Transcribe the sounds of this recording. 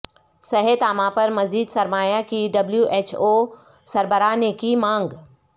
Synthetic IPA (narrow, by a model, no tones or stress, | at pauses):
sɐɦət̪amãpɐɾmɐziːd̪sɐɾmaːjakiɖɐbljuʔeːt͡ʃʰoː | sɐɾbəɾaːnekimãːŋɡ